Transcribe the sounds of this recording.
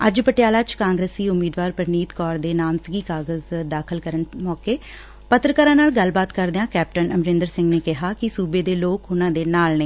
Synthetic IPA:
əd͡ʒpəʈɪjaːlaːt͡ʃkãːŋɡɾeːsiːʊmːiːd̪ʋaːɾpəɾniːt̪kɔːɾd̪eːnaːmt̪əɡiːkaːɡəzd̪aːkʰəlkəɾənmɔːkeː | pət̪ɾəkaːɾãːnaːlɡəlbaːt̪kəɾd̪eãːkɛːp̚ʈənəmɾɪ̃nd̪əɾsɪ̃ŋɡneːkɪɦaːkɪsuːbeːd̪eːloːkʊnãːd̪eːnaːlneː

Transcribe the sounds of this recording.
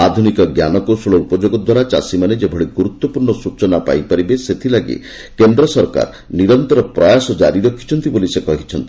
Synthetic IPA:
ad̪ʱunikɔɡjanɔkosɔɭɔupɔd͡ʒoɡɔd̪waɾat͡ʃa̰simaned͡ʒebʱɔɽiɡuɾut̪ːwɔpuɾɳɔsut͡ʃɔnapa̰jpaɾibeset̪ʰilaɡḛ | kend̪ɾɔsɔɾka̰ɾ | niɾɔnt̪ɔɾɔpɾɔjasɔd͡ʒaɾiɾɔkʰːi̥t͡ʃʰɔnt̪ibolisekɔɦit͡ʃʰɔnt̪i̥

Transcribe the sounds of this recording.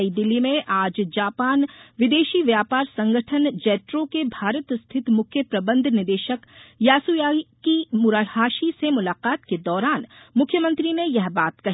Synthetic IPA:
id̪ɪlːimẽʔaːd͡ʒd͡ʒaːpaːnʋɪd̪eːʃiʋjaːpaːɾsɐ̃ŋɡəʈʰənd͡ʒɛːʈɾõkebʱaːɾət̪st̪ʰɪt̪mʊkʰjəpɾɐbə̃nd̪ʱnɪd̪eːʃəkjaːsujaːkimʊɾaɽhaːʃisemʊlaːqaːt̪ked̪ɔːɾaːn | mʊkʰjəmə̃nt̪ɾinẽjɐɦbaːt̪kɐɦ

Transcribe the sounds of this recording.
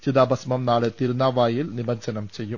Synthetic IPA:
t͡ɕiðaːbɐsmɐmnaːɭet̪iɾunaːʋaːjilnibɐɲd͡ʑɐnɐmt͡ɕe̞jːum

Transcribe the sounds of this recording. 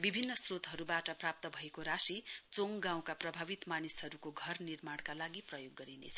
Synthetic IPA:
bibʱinːʌsrot̪ɦʌɾubaʈʌprap̚t̪ʌbʱʌekoɾasit͡soŋɡãw̃kaprʌbʱabit̪manishʌɾukoɡʱʌrnirmaɽ̃kalaɡiprʌjoɡːʌɾinḛt͡sʰʌ

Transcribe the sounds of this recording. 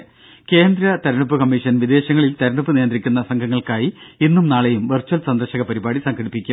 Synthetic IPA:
ke̞ːnd̪ɾɐt̪ɐɾɐɳupːɨkɐmːiʂɐnʋid̪e̞ːɕɐŋːɐɭilt̪ɐɾɐɳupːɨnijɐnd̪rikʲːunːɐsɐŋɡʰʱɐŋːɐɭkaːjiinːumnaːɭejumʋɐrt͡ɕːɐlsɐnd̪ɐrɕɐɣɐpɐɾibaːɽisɐŋɡɐɽipːikʲːu

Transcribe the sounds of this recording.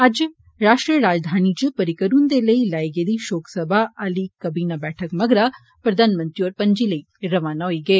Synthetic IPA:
ɐd͡ʒ | ɾaːʂʈɾijɐɾaːd͡ʒd̪ʱaːnid͡ʒɨpɐɾikɐɾund̪elejlɐjɡɐd̪iʃoːksɐbʱaʔɐlikɐbiːnɐbɛːʈʰɐkmɐɡɾɐ | pɾɐd̪ʱaːnmɐnt̪ijoːɾpɐɲd͡ʒilej | ɾɐʋaːnɐjiɡe

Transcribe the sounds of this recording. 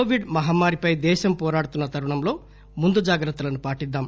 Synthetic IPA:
oːʋiɖmɐɦaːmːaːɾipɐjd̪ɛːʃɐmpɔːɾaːɽut̪unːɐt̪ʰɐɾuɳɐmlo̞ː | mund̪ud͡ʒaːɡɾɐt̪ːulɐnupaːʈid̪ːaːm

